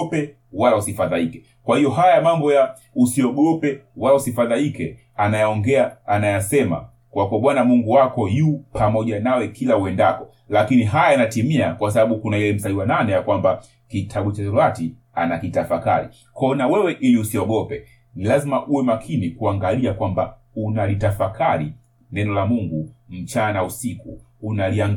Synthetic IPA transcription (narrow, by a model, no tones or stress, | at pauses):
pɛ | walausifaðalikɛ | kwahijɔɦajamambɔja | usiɔɡɔpɛwalausifaðalikɛ | anajaɔŋɡɛaːnajasɛma̰ | kwakuaɓwanamuŋɡuwakɔjupʰamɔʄanawɛkilawɛnda̰kɔ̥ | lakiniɦajajanatimiakwas̬aɓaɓukunailɛm̩saiwananɛjakwamba | kitʰaɓut͡ʃaɾati | a̰nakitafaka̰ɾḭ | kɔnawɛwɛʔiliusiɔɡɔpɛ | nilazimaʔuwɛmakʰinikuaŋɡaliakwamba̰ | unalitafakʰaɾi | nɛnɔlamuŋɡum̩t͡ʃanausikuː | naliaŋ